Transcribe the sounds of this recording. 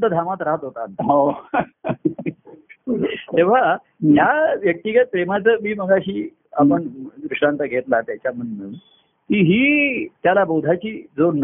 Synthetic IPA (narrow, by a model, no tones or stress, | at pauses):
t̪əd̪ʱamat̪ɾaɦət̪ɦot̪ant̪o | t̪eʋ̤a | ɦjaʋjək̚t̪iɡət̪̚pɾemat͡səːmiːməɡaɦiː | apəɳɡɾuʂʈɽant̪əɡʱet̪lat̪jat͡ɕjam̤ənːə | kiːɦiːt̪jalabod̪ʱat͡ɕiːd͡zon